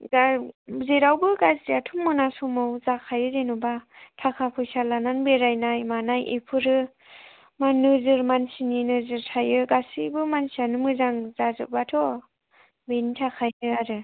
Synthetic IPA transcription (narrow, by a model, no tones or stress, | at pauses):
ɡazeɾawbɯɡasdiatʰumːɯnasumawzakʰajɯzenubatʰakʰapʰɯjsalananbeɾajnajmanajʔepʰɯɾɯ | manɯzɯɾmansininɯzɯɾtʰajɯɡasibɯmansianɯmɯzaŋzazɯ̰ʔ̚batʰɔ | benitʰakʰajnɯaɾɯ